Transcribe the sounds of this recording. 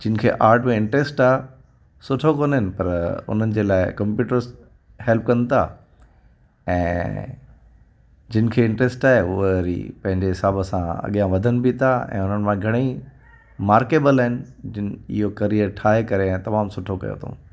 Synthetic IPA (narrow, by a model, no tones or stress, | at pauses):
d͡ʑɪnɪ̆kʰḛːʔaːɾʈmẽɪ̃ɳʈɾeːsʈaːɦ | sʊʈʰokoːnɦɪnɪ̆pɐɾʊ̰n̤ənɪ̆d͡ʑeːlaːɪkɐ̃mpjuːʈəɾz | hɛlp̚kɐ̃nt̪ʰa̰ː | ɛ̃ː | d͡ʑɪnɪ̆kʰeːɪ̃ɳʈɾeːsʈaːɦeʊɦɾḭpɐ̃ɦɪ̃ɲd͡ʑeɦɪsaːbəsãɐ̰ɠijãʋɐd̪ʱənɪ̆bʱit̪ʰaɛ̰̃ːʊn̤ənɪ̆mãɡʱɐɽ̃i | maːɾkeːbəlaːɦɪnɪ̆d͡ʑɪnɪ̰ɦokɐɾiəɾʈʰaːɦekɐɾeɛ̃ːt̪ɐmaːmsʊʈʰokɐ̰jo̰t̪ʰo̰